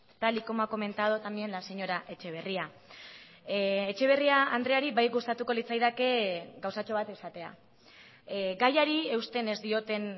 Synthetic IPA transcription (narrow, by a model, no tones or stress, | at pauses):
t̪alikomako̞me̞nt̪aðot̪amie̞nlase̞ɲo̞ɾaʔe̞t͡ʃe̞β̞e̞ria | et͡ʃe̞β̞e̞riaand̪ɾeaɾiβajɡust̪at̪uko̞lit͡sajðake̞ɡawsat͡ʃo̞β̞at̪isat̪e̞a̰ | ɡajaɾie̞wst̪e̞ne̞zd̪io̞t̪e̞n